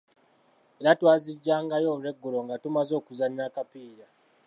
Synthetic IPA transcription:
eɾatwaːziɟːaːŋɡajo̞ːβlwe̞ɡːulo̞ŋɡatumazo̞ːkuzaɲːakapiːɾa

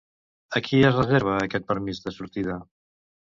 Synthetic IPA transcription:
əkʰiəzrəzeɾβ̞əːkɛt̪̚pəɾmizðəsuɾt̪ið̞ə

